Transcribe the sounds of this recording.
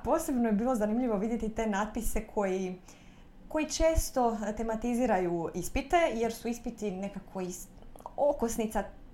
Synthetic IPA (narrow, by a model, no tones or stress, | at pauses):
po̞ːse̞bno̞jebiːlˠo̞zanimʎiʋo̞ʋid̪je̞t̪it̪e̞naːt̪̚pise̞kʰo̞ji | ko̞jit͡ʃeːst̪o̞t̪e̞mat̪iziːɾajuispit̪e̞je̞ɾsuispit̪ine̞kako̞is | okosnit̪sa